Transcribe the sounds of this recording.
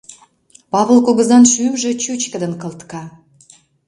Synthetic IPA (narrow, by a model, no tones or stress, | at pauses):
pɑβə̆lkoɣə̆zɑnʃymʒĕt͡ɕyt͡ɕkə̆d̪ə̆nkə̆lt̪kɑ